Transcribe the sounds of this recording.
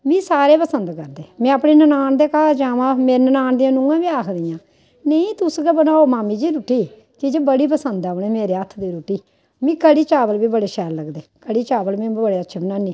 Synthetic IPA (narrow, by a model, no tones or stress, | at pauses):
ʋĩːsaːɾeːpəsənd̪kəɾd̪eːmɛ̃ːəpneːnənaːnd̪eːkaːd͡ʒaːʋãːmeːɾenənaːnd̪ijãːnʊ̃ɡãːbĩːaːkʰd̪ijãː | neĩːt̪ʊsɡabənãːoːmaːmiːd͡ʒiːɾuːʈiː | kid͡ʒebəɽiːp̬əsənd̪aːneːmeːɾeːət̪ʰːd̪iːɾuːʈiː | mĩːkəɽiːt͡ʃaːʋəlbiːbəɽeːʃɛːlləɡd̪eːkəɽiːt͡ʃaːʋəlmɛ̃ːbbəɽeːətːʃʰeːbənãːniː